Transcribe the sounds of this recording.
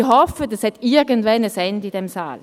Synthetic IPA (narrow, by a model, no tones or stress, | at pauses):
hɔfədashɛtɪɐɡəntvɛnəsɛndid̥ɛmsa̰ːl